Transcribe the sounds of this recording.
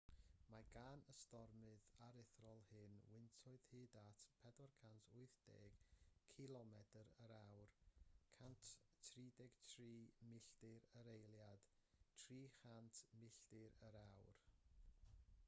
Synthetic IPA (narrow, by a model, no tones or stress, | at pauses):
maɡaːnəstɔrmɨðaɾɪθrɔlˠhɨnwɪntʰɔɨðhɨːdatʰpʰɛdɔrkʰantʰʊɨθd̥ḛːɡ̥kʰɪlˠɔmɛdəɾəɾawrkʰantʰtʰriːdɛɡ̥tʰriːmɪɬdɪɾəɾejlˠjad̥tʰriːχantʰmɪɬd̥ɪɾəɾawr